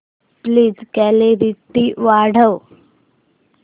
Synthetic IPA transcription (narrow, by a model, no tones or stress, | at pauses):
pliːd͡zkɛleʋit̪ːiːʋaɽ̤əw